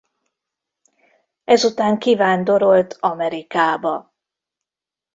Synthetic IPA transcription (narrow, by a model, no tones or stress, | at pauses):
ɛzut̪aːŋkivaːnd̪o̞ɾo̞lt̪ʰɒmɛɾikaːbɒ